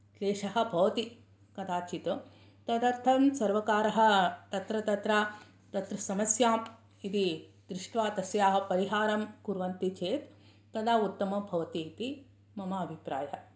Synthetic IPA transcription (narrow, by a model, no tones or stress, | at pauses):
leːʂɐɦɐ̆bʱɐʋɐt̪i | kɐd̪ʰaːt͡ʃit̪u | t̪ɐd̪ɐɾt̪ʰɐmsɐɾʋɐkaːɾɐɦɐ̆t̪ɐt̪ɾɐt̪ɐt̪ɾaː | t̪ɐt̪ɾɐsɐmɐsjaːm | id̪id̪ɾɪʂʈʋaːt̪ɐsjaːɦɐ̆pɐɾiɦaːɾɐmkuɾʋɐnt̪it͡ʃeːt̪ː | ɐd̪aːut̪ːɐmɐbʱɐʋɐt̪it̪i | mɐmɐɐbʱipɾa̰ːjɐɦɐ̆